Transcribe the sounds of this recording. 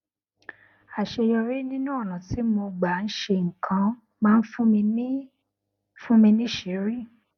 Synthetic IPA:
a˨ʃe˧jɔ˧ɾi˦nĩ˦nũ˦ɔ˦˨nã˨ti˨˦mo˧ɡ͡ba˨n̩˦ʃe˧ŋ̩˨kʰã˧˦ | mãː˦˧n̩˦fũ˦mĩ˧˦ | fũ˦mĩ˧nĩ˦ʃe˨˦ɾi˦˨

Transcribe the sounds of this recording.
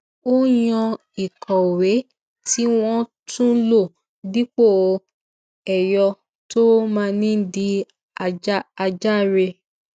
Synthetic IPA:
o˦jɔ̃˧ | i˨kɔ˨we˨˦ | ti˦w̃ɔ̃˦ | tũ˦lo˦˨ | di˦k͡po˦˨˧ | ɛ˨jɔ˧ | to˦mãː˧nĩ˦di˧ | a˧d͡ʒa˦a˧d͡ʒa˦˨ɾe˧

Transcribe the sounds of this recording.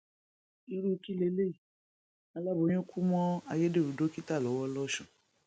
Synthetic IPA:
i˧ɾu˦˧˦ki˦le˦˧˦le˦˨ | a˨˧la˦bo˨˦ɲ̃ũ˦kʰu˦mɔ̃˦a˧je˦de˦˨u˨˦do˦ki˦ta˦˨lɔ˨˦wɔ˦lɔ˦ʃɔ̃˨

